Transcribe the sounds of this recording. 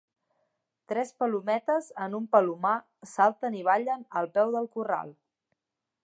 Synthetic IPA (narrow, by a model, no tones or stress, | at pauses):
t̪ɾɛspəlumɛt̪əzənumpəluma | salˠt̪əniβ̞aʎənəlˠpɛwðəlˠkura̰lˠ